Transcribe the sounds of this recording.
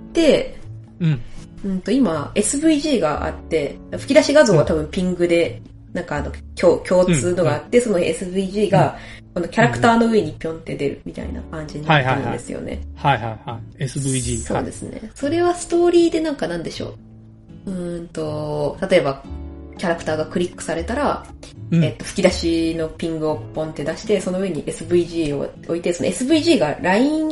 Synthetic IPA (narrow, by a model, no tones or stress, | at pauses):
t̪ẽ̞ | ɯ̟̃nt̪o̞imae̞sɨbɯ̟iʑiːɡa̰ʔa̰t̪ːe̞d̪aɸɯ̟kʲid̪aɕiɡazoːβat̪abɯ̟̃mpʲĩŋɡɯ̟d̪e̞ | nãŋkaːno̞kʲoːkʲo̞ːt͡sɨːno̞ɡaːt̪ːe̞so̞noesɨbɯiʑiːɡa | ko̞no̞kʲaɾakɯ̟̥t̪aːnoɯ̟eɲ̟ipʲjõ̞nt̪e̞d̪e̞ɾɯ̟̰mʲit̪a̰ḭna̰kãɲ̟d͡ʑiɲinatːeɾɯ̃nd̪e̞sɨ̰jo̰ne̞̰hajhaihaesɨbɯiʑiso̞ːd̪e̞sɨne̞̰so̞ɾe̞βasɨ̥t̪o̞ːɾʲiːd̪e̞nãŋkanãnd̪e̞ɕo̞̰ː | ɯ̟̃nt̪o̞t̪at̪o̞e̞bakʲaɾakɯ̥t̪aːɡakɯ̟ɾʲikːɯ̥saɾe̞t̪aɾa | et̪ːo̞ɸɯ̥kʲid̪aɕino̞pʲĩŋɡɯ̟opːõ̞nt̪e̞d̪aɕi̥t̪e̞so̞no̞ɯ̟e̞ɲ̟iʔe̞sɨbɯ̟iʑiːo̞̰o̞it̪e̞so̞no̞esɨbɯ̟iʑiːɡaɾaĩ